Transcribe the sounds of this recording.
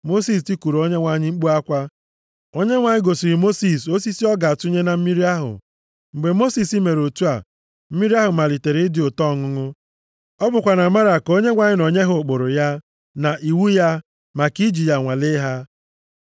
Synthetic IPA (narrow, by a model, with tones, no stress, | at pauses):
mo˦si˦s̬ti˦ku˨ɾo˦ɲe˦ŋʷa˨ɲɪ˦ŋ͡m̩˦k͡pu˦a˦kʷa˦ | o˦ɲe˦ŋʷa˨ɲɪ˦ɡo˨si˨ɾi˨mo˦si˦˨so˦si˦si˦ɔ˦ɡa˨tu˦ɲe˦na˨m̩˦mi˦ɾi˦a˦ɦʊ̰˨ | ŋ͡m̩˨ɡ͡be˨mo˦si˨si˦me˨ɾo˨tu˦a̰˨ | m̩˦mi˦ɾi˦a˦ɦʊ˨ma˨li˨te˨ɾɪ˨˦dɪ˨o˨tɔ˦˨ŋʊ˦ŋʊ˦ | ɔ˦bʊ˨kʷa˨na˨ma˦ɾa˨ko˦ɲe˦ŋʷa˨ɲɪ˦no˨ɲe˦ɦʊ˨k͡pʊ˨ɾʊ˨ja˦ | na˨ʔi˨wu˦ja˦ | ma˨ki˦d͡ʒi˨ja˨ŋʷa˨lɪ˦ɦa˦